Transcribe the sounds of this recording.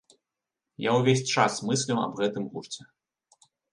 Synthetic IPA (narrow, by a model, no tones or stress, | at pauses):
jawvʲesʲt͡ʂasmɨsʲlʲiwɐ̰bɣɛt̪ɨmɣurt͡sʲɛ